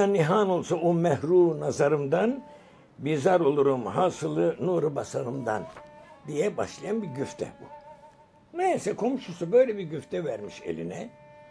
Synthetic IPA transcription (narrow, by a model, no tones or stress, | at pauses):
anːiɦaːno̞lˠsaomɛhɾuːnazaɾɯmd̪an | bizaɾo̞lˠuɾumhaːsɯlˠɯnuɾɯbasaɾɯmd̪a̰nd̪ijɛba̰ʃlˠajanbiɟyft̪ʰɛ̰bu | nejsɛkʰo̞mʃusubø̞jlʲɛbiɾɟyft̪ʰɛvæɾmiʃe̞̰lʲḭnɛ